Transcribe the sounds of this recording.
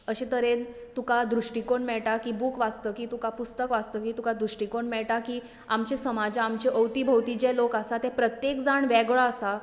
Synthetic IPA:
əɕĩt̪əɾen | t̪ukad̪ɾuʂʈikoɳmɛɭʈakiːbukʋad͡zt̪əːkiːt̪ũkapust̪əkʋad͡zt̪əːkiːt̪ũkad̪ɾuʂʈikoɳmɛɭʈakiː | amt͡ɕesəmad͡zamt͡ɕeʔəwt̪ibʱəwt̪id͡ʑɛlokasat̪ɛ̃pɾət̪jekd͡zaɳʋɛɡɭaəsa

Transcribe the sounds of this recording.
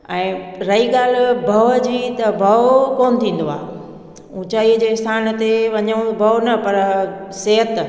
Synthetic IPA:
ɛ̃ːɾɐiːɠaːl̤bʱɐʋd͡ʑiːt̪ɐbʱɐʋkoːnt̪ʰĩːn̆d̪oa̰ː | ũːt͡ɕaːid͡ʑeːst̪ʰaːnt̪eʋɐɲəũbʱɐʋnɐpɐɾseɦət̪

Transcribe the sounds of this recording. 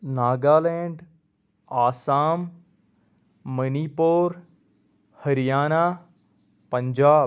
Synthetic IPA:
naːɡaːleːɳɖ | aːsaːm | ənipoːɾ | hɐɾijaːnaː | pɐ̃ɲd͡ʒaː

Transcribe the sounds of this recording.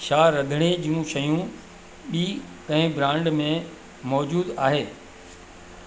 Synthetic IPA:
ʃaːɾːɐd̪ʱɽ̃ed͡ʑiũʃɐjũ | ɓiː | kɐ̃ɦɪ̃bɾãːɳɖmẽ | mɔːd͡ʑuːd̪aːɦeː

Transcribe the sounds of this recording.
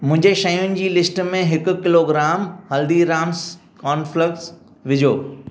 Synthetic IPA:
mʊ̃ɦɪ̃ɲd͡ʑeʃɐjʊnɪ̆d͡ʑiːlɪsʈmẽɦɪkʊ̆kɪloːɡɾaːmhɐld̪iɾaːms | kaːnflɪk̚ʈs | ʋɪd͡ʑʱoː

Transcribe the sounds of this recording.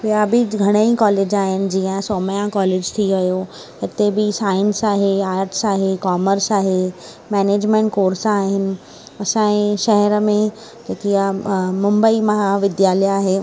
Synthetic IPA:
ʋiabʱiɡʱɐɽ̃əĩkɔːleːd͡ʑaːɦɪnɪ̆d͡ʑiːə̃soːməjãkɔːleːd͡ʑt̪ʰiʋɐjo | ɪt̪ebɪsaːɪnsaːɦeaːɾʈsaːɦekɔːməɾsaːɦe | mɛːneːd͡ʑmẽɳʈ̚koːɾsaːɦɪnɪ̆ | ɐsãːẽʃɐɦɛɾəmẽ | d͡ʑeːkijamʊ̃mbəimɐɦaʋɪd̪jaːlɛaːɦeː

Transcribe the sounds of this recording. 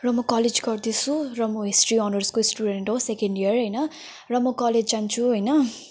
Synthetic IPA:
rʌmʌkʌled͡zɡʌrd̪isʰurʌmʌɦisʈriɔnʌrskosʈuɖeɳʈɦosekeɳɖiʌrɦʌjnʌ | rʌmʌkʌled͡zt͡sant͡sʰuɦʌjnʌ

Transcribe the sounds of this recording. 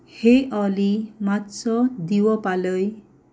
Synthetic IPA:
hejʔɔlimatsɔd̪iwɔpalɔj

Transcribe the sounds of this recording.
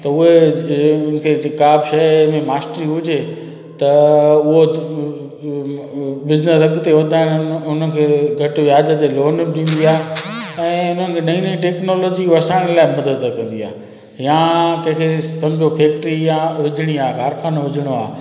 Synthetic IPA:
t̪ɐʊɦe | ʊnɪ̆kʰed͡ʑɪkaːbʃɐjmẽmaːsʈɾiɦʊd͡ʑʱe | t̪ɐʊɦo | bɪznəsɐɡt̪eɦod̪aːɪnʊnən̆kʰeːɡʱɐʈʋjaːd͡ʑət̪eloːnɗĩːnd̪iaːɦɛ̃ːʊn̤ən̆kʰenɐĩniʈeːknoːloːd͡ʑiʋɐsaːɪ̃ɽ̃laːɪmɐd̪ət̪əkɐ̃nd̪iaː | jãːt̪ɐ̃ɦkʰesɐ̃md͡ʑʱopʰeːk̚ʈɾijãʋɪd͡ʑʱɽ̃iaːkaːɾkʰaːnoʋɪd͡ʑʱɪɽ̃oaː

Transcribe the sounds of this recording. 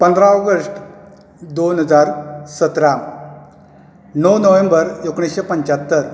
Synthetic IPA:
pənd̪ʱɾãɔɡəsʈ | d̪onɦəd͡zaɾsət̪ɾam | nəwnəʋẽmbəɾokɳ̃isɕepəɲt͡ɕat̪ːəɾ

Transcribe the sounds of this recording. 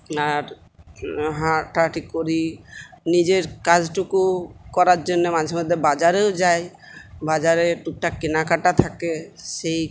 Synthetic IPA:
aɾ | ɦaʈaʈikoɾinid͡ʑeɾkad͡ʑʈukukɔɾaɾd͡ʑonːemad͡ʑʱeɾmod̪ʱːebad͡ʑaɾewd͡ʑae | bad͡ʑaɾeʈuk̚ʈakinakaʈat̪ʰakeʃej

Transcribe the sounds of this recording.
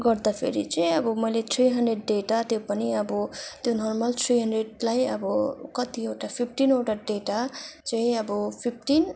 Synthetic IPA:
ɡʌɾd̪apʰḛɾḭt͡sʌĩʌbʌmʌjlet̪ʰɾiɦʌnɖreɖ̚ːeʈat̪jopʌniʌbʌt̪jonʌrmʌlt̪ʰɾiɦʌɳɖreɽlajʌ̰bʌkʌt̪ieʈapʰipʰʈinoʈaɖeʈat͡saĩʌbʌpʰip̚ʰʈin

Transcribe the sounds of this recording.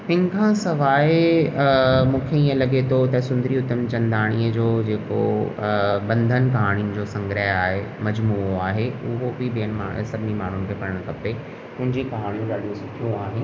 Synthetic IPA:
pɪ̃n̆kʰãːsɐʋaːe | mũːkʰeĩːə̃lɐɠet̪ʰot̪ɐsʊ̃nd̪ɾiʊt̪əmt͡ɕɐ̃nd̪aːɽ̃iəd͡ʑoːd͡ʑeːko̰ | bɐ̃nd̪ʱən̆kɐɦaːɽ̃iũnɪ̆d͡ʑoːsɐ̃ŋɡɾəɦaːɦemɐd͡ʑmuːoaːɦeʊɦobɪbijənɪ̆maːsɐbʱɪnimaːɳ̤ʊnɪ̆kʰeːpɐɽəɽ̃kɐpe | ʊ̃ɦɪ̃ɲd͡ʑikɐɦaːɽ̃ijũɠaːɗijũsʊkʰijũaːɦeːɪ

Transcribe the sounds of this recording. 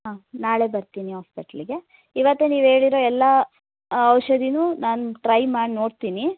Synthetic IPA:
ɦaːnaːɭe̞bɐɾt̪iːniɦaːspiʈɐliɡe̞ | iʋɐt̪ːeniːʋeːɽiɾo̞ːɛlːɐ | ɐʋʃɐd̪inuːnaːnuʈɾɐjmaːɽino̞ːɽt̪iːni

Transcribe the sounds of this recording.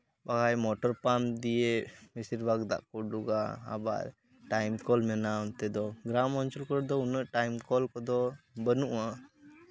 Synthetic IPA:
baɡajmɔʈɔɾpamd̪ijemisiɾbʱaɡd̪a̰ʔkɔɖuɡa̰ːba̰ʔ | ʈajmkɔlmɛnaunt̪ɛd̪ɔɡɾamɔnt͡ʃɔlkɔɾd̪ɔunəʔʈajmkɔlkɔd̪ɔbənuʔwa

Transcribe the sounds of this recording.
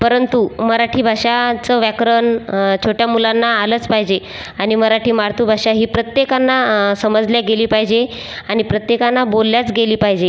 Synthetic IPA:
pəɾənt̪uməɾaʈʰiːbʱaʂat͡səʋjakɾənt͡ɕʰoʈjamulanːaːləːt͡spaɦid͡ʑe | aɽ̃iməɾaʈʰiːmaɾt̪ʰuːbʱaʂaɦiːpɾət̪jekanːasəməd͡zljaɡeliːpaɦid͡ʑe | añipɾət̪jekanːabolːjat͡sɡeliːpaɦid͡ʑe

